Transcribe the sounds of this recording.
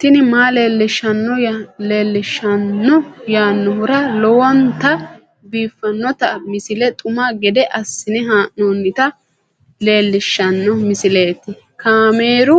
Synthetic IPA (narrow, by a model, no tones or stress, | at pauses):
t̪ɪnɪmaːleːlːɪʃːɐnːɔleːlːɪʃːɐnːɔjaːnːɔhʊɾɐlɔwɔnt̪ɐ | biːfːɐnːɔt̪ɐmɪsɪlɛt̪ʼʊmaɡɛd̪ɛʔɐsːɪnɛɦaːʔnoːnːɪt̪ɐ | le̞ːlːɪʃːɐnːɔmɪsɪleːt̪ːɪ | kaːmeːɾʊ